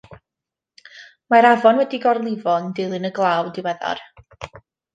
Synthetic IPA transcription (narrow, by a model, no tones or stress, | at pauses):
maɾavɔnwɛdiɡɔrlˠɪvɔndɪlˠɨnəɡlˠawdɪwɛðɔ̰r